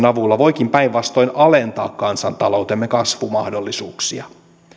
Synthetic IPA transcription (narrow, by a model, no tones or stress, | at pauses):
nɑʋulːɑʋoik̟impæiʋʋɑst̪o̞inɑlent̪ɑ̰ːkkɑnsɑnt̪ɑlouwt̪emːekɑsʋumɑhdolːisuːksiɑ